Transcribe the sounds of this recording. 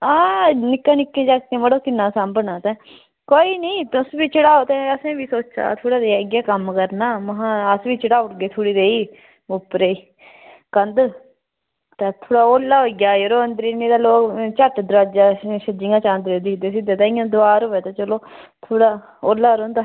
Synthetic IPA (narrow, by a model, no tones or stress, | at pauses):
aːnɪkːãːnɪkːẽːd͡ʒaːk̚t̪ẽːbəɽoːkɪnːãːsambnaːt̪ɛ̃ː | koːiːnəĩːt̪ʊsʋiːt͡ʃəɽaːoːt̪ɛ̃ːəsẽːʋiːsoːt͡ʃa̰ːt̪ʰoːɽaːd̪eɡjaːkəmkəɾnaːməɦãːəsʋiːt͡ʃəɽaːʊʈɡeːt̪ʰoːɽiːd̪eːiː | ʊpːɾeː | kənd̪ | t̪ãːt̪ʰoːɽaːoːlːaːɦoːiɡjaːjəɾoːənd̪ɾiːnĩːd̪aːloːkt͡ʃəʈd̪ɾaːd͡ʒaːʃəd͡ʒɪ̃ŋɡãːt͡ʃãːnd̪ɾed̪id̪eːs̬ɪd̪eːt̪ãːɪ̃jãːd̪ʊaːɾoːʋɛːt̪ãːt͡ʃəloːt̪ʰoːɽaː | oːlːaːɾõːnd̪aː